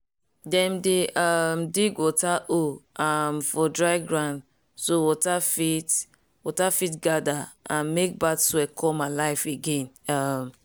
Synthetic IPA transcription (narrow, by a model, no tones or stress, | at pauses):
dɛ̃mdeʔamdiɡwɔtaʔoamfɔdɹaɪɡɹãnd | sowɔtafit | wɔtafitɡadaãnmek̚badswɛkʰɔmalaɪfeɡẽn | am